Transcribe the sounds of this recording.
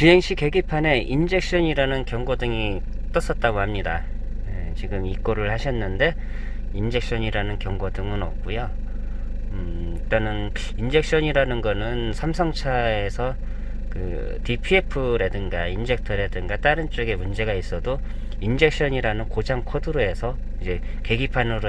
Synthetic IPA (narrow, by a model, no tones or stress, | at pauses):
t͡ɕiɦe̞ŋɕ͈ʰike̞ɡipʰane̞ʔind͡ʑe̞k̚ɕ͈ʌɲiɾanɯnkjʌŋɡodɯŋit͈ʌs͈ʌt̚t͈aɡohamɲidaet͡ɕiɡɯmik͈oɾɯɭhaɕʰʌnːɯnde̞ | ind͡ʑe̞k̚ɕ͈ʌɲiɾanɯnkjʌŋɡodɯŋɯnʌp̚k͈ujo | it͈anɯn | ind͡ʑe̞k̚ɕ͈ʌɲiɾanɯnɡʌnɯnsʰamsʰʌŋt͡ɕʰae̞sʰʌ | kɯ̰ | tipʰiepʰɯɾe̞dɯŋɡaind͡ʑe̞k̚tʰʌɾe̞dɯŋɡat͈aɾɯnt͡ɕ͈oɡe̞mund͡ʑe̞ɡais͈ʌdo | ind͡ʑe̞k̚ɕ͈ʌɲiɾanɯnkod͡ʑaŋkʰodɯɾoe̞sʰʌ | id͡ʑe̞ | ke̞ɡipʰanɯɾo